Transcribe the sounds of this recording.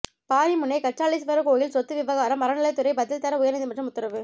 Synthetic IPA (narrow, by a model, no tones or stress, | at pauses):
paːɾimʊnːɐɪkɐʈt͡ʃaːlɪsʋɐɾɐkoːjɪlsɔt̪ːɯʋɪʋɐɣaːɾɐmːɐɾɐnɪlɐɪt̪ːʊɾɐɪbɐðɪlt̪ɐɾɐʊjɐɾnɪðd̪ɯmɐʈrɐmʊt̪ːɐɾɐʋɯ